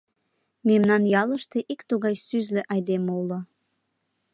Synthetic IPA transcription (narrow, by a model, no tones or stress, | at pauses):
memnɑnjɑləʃt̪eʔikt̪uɣɑjsyzlø̆ʔɑjd̪emulɤ